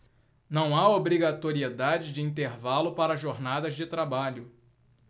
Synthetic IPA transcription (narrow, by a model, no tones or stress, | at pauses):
nɐ̃w̃aobɾiɡat̪oɾied̪ad͡ʒɪd͡ʒɪĩnt̪eɾvalʊpaɾɐʒoɾnad̪ɐzd͡ʒɪt̪ɾabaʎʊ